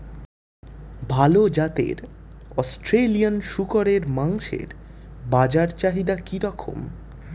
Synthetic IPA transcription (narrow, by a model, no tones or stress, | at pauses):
bʱalod͡ʑat̪ḛɾɔsʈɾelijanʃukoɾeɾmaŋʃḛɾ | bad͡ʑaɾt͡ɕaɦid̪akiɾɔkʰo̰m